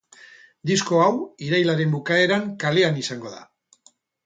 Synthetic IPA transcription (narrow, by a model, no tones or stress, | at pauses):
d̪isko̞awiɾajlaɾe̞mbukae̞ɾaŋkale̞anisaŋɡo̞ða̰